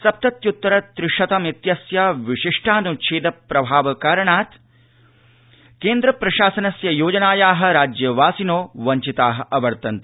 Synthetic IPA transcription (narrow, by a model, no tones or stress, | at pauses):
sɐp̚t̪ɐt̪jut̪ːɐɾɐt̪ɾɪʂɐt̪ɐmit̪jɐsjaʋiʂiʂʈʰaːnuʃʰeːd̪ɐpɾɐbʱaːʋɐkaːɾɐɳaːt̪ | keːnd̪ɾɐpɾɐʃaːsɐnɐsjɐjoːd͡ʒɐnaːjaːɦɐ̆ɾaːd͡ʒjɐʋaːsinoːʋɐɲt͡ʃit̪aːɦɐ̆ʔɐʋɐɾt̪ɐnt̪i̥